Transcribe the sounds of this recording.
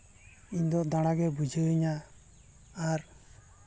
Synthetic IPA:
iɲd̪ɔd̪aɽ̃aɡɛbud͡ʒəɲaː | ɾ

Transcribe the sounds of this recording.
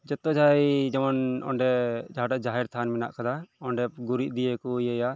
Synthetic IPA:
d͡ʒɔt̪ːɔd͡ʒʱajd͡ʒɔmɔnɔ̰ɳɖɛd͡ʒaɦaɖaʔd͡ʒaɦɛɾt̪ʰanmɛna̰ʔkad̪aɔɳɖɛpɡuɾiʔ̪̚d̪iɛkɔijɛja

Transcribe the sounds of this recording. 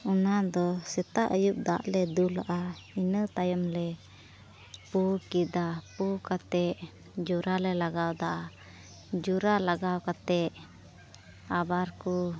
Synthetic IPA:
unad̪ɔsɛt̪aʔəjup̚d̪aʔlɛd̪ulaʔainət̪ajəmlɛ | pukid̪apukat̪ɛʔ | d͡ʒuɾalɛlaɡawd̪aʔa | d͡ʒuɾalaɡawkat̪ɛʔ | abaɾku

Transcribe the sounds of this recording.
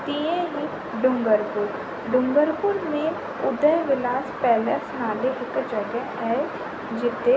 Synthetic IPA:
t̪iẽɦi | ɖʊ̃ŋɡəɾpʊɾ | ɖʊ̃ŋɡəɾpʊɾmẽ | ʊd̪əɦʋɪlaːspɛːləsnaːleɦɪkd͡ʒɐɡəɦɛ | d͡ʒɪt̪e

